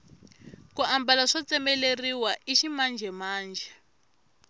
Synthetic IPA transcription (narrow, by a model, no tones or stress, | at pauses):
kuambalaʂɔt͡sɛmɛleriwaʔiʃimand͡ʒʱɛmaːnd͡ʒʱɛ